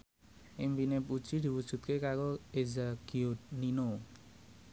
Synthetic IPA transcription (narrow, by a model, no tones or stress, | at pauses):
ʔimpineput͡ʃid̪i̤wu̥ʒ̥ṳt̪̚kekakoezakionino